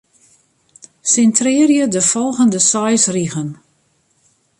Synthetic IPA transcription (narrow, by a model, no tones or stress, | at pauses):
sɪntrɪːrjədəfɔlˠɣəndəsɔjsriɣən